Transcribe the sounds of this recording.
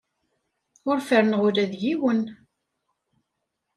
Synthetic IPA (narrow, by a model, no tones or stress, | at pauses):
ʊɾfəɾənʁʊɾæðjiwən